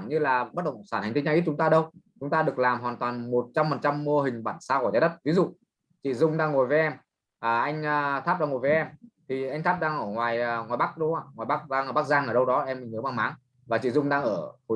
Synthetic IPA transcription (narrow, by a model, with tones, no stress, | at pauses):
nɲɨ˧laː˨˩ɓa˦˥ɗə˧˨wkə˧˨saː˧˩nhŋt̪ʰi˨˦ŋt͡ɕaː˧ʔi˦˥t͡ɕʊ˨˦ŋ͡mt̪aː˧ɗə˧wt͡ɕʊ˨˦ŋ͡mt̪aː˧ɗɨ˨˩ək̚laː˨˩mhwaː˨˩nt̪waː˨˩nmo˨˩t̚t͡ɕa˧mfə˨˩nt͡ɕa˧mːo˧ɦï˨˩ŋ̟ɓaː˧˩nsaː˧kɔ˧˩aː˨˦ɗə˦˥t̚vi˨˦zṵ˧˨ | t͡ɕḭ˧˨zʊ˧ŋ͡mɗaː˧ŋːo˨˩jvə˨˦ʔɛ˧m | ʔəː˨˩ʔa˧jŋ̟əː˨˩t̪ʰaː˦˥pɗaː˧ŋo˨˩jvə˨˦ʔɛ˧mt̪ʰi˨˩ʔa˧jŋ̟t̪ʰaː˦˥p̚ɗaː˧ŋʔəː˧˩ŋwaː˨˩jŋwaː˨˩jɓa˦˥k̚ɗə˨˦ʔaː˧˩ŋwaː˨˩jɓa˦˥k̚ɗaː˧ŋʔəː˧˩ɓa˦˥k̚zaː˧ŋʔəː˧˩ɗə˧wɗɔ˨˦ʔɛ˧mi˨˩ŋəː˨˦ɓa˧ŋmaː˨˦ŋ | vaː˨˩t͡ɕḭ˧˨zʊ˧ŋ͡mɗaː˧ŋʔəː˧˩ho˨˩